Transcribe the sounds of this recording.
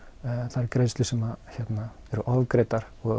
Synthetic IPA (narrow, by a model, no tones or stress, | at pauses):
θaɛɾkɾej̪sʏsɛmaçɛt̪na | ɛɾʏʔɔðkɾejt̪aɾ̥ | ɔ